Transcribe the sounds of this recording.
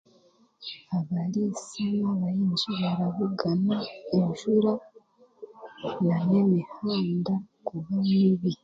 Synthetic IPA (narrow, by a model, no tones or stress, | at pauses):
aβalisanaβajiːnʒiβaɾaβuɡanaenʒuɾa | nanemihaːndakuβamiβi